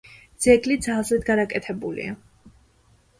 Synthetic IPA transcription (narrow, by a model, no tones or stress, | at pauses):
d̪z̥ɛɡlid̪zalˠzid̪ɡaɾakʼɛt̪ʰɛbulḭa̰